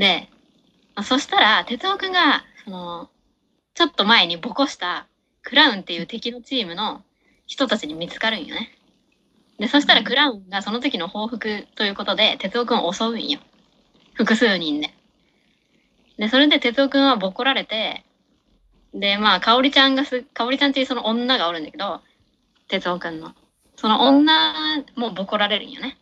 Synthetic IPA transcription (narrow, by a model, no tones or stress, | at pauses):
d̪e̞ | maso̞ɕi̥t̪aɾat̪e̞t͡sɨokɯ̟̃ŋɡaso̞no̞ | t͡ɕo̞t̪ːo̞mae̞ɲ̟ibo̞ko̞ɕi̥t̪a | kɯ̟ɾaɯ̟̃nt̪ːe̞jɯ̟ːt̪e̞kʲino̞t͡ɕiːmɯ̟no̞ | çi̥t̪o̞t̪at͡ɕiɲ̟imʲit͡sɨ̥kaɾɯ̟̃ɰ̃jone̞ | d̪e̞so̞ɕi̥t̪aɾakɯ̟ɾaɯ̟̃ŋɡaso̞no̞t̪̬o̞kʲino̞ho̞ːɸɯ̟kɯ̟t̪o̞jɯ̟ːko̞t̪o̞d̪e̞t̪e̞t͡sɨo̞kɯ̟̃ɰ̃õʔoso̞ɯ̟̃ɰ̰̃jo | ɸɯ̟kɯ̟sɨːoɲ̟ĩnd̪e | d̪e̞so̞ɾe̞d̪e̞t̪e̞t͡sɨo̞kɯ̟̃ɰ̃βabo̞ko̞ɾaɾe̞t̪e̞ | d̪e̞maːkaoɾʲit͡ɕãŋɡasɨkaoɾʲit͡ɕãnt̪eiso̞no̞ʔõnːaɡao̞ɾɯ̟̃nd̪ḁke̞d̪o̞ | t̪e̞t͡sɨo̞kɯ̟̃nːo̞ | so̞no̞ʔõnːamo̞ːbo̞ko̞ɾaɾe̞ɾɯ̟̰̃ɰ̃jo̞ne̞